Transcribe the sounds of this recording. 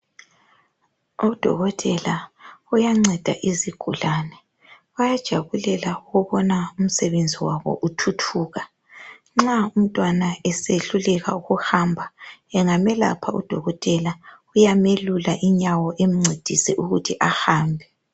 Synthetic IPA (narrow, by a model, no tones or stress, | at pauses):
ud̥ʱɔ̰ɣɔtʼɛlaujaŋ͡ǀɛd̥ʱa̰ʔiziɡ̥ʱulaːnɛ | ujad̥ʒ̥ʱaβulɛlauɣuβɔnaum̩sɛβend͡zʱiwaβɔ̰ʔutʰutʰuːɣa | ŋ͡ǁaum̩tʼwanaɛseɬulɛɣa̰uɣuhambʱaɛŋamɛla̰pʰaṵd̥ʱɔɣɔtʼɛla | ujamelulaʔiɲawɔʔem̩ŋ͡ǀed̥ʱisɛʔuɣutʰiʔahaːmbʱɛ